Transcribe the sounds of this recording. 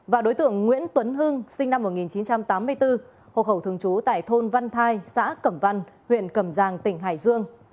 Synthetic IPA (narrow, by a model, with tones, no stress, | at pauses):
vaː˨˩ɗo˨˦jt̪ɨ̰˧˨əŋːwḭ˧˥ənt̪wə˨˦nɦɨ˧ŋsï˧ŋ̟na˧mːo˨˩t̚ŋi˨˩nt͡ɕi˨˦nt͡ɕa˧mt̪aː˨˦mːɨ˧əjt̪ɨ˧ | ho̰˧˨xə˧˩wt̪ʰɨ˨˩əŋt͡ɕu˨˦t̪a̰ː˧˨jt̪ʰo˧nva˧nt̪ʰaː˧jsa̰ː˧˥kə˧˩mva˧nhwḭ˧˨ənkə˧˩mzaː˨˩ŋt̪ï˧˩ŋ̟ɦa̰ː˧˩jzɨ˧əŋ